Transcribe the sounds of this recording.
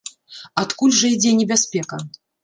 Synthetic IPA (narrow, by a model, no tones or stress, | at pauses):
at̪kulʲʐɐid͡zʲɛnʲɛbʲasʲpʲɛkɐ